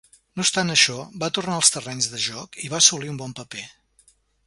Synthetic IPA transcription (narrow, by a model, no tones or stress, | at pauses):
nost̪anəʃɔbat̪urnaəlˠst̪ərɛɲzðəʒɔkiβaəsuliumbɔmpəpe